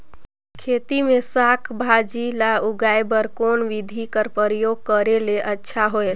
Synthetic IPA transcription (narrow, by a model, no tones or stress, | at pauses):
kʰet̪imesakʰbʱad͡ʒilauɡajbəɾkonʋid̪ʱikəɾpəɾjoɡ̚kəɾeleʔətːʃʰaɦoel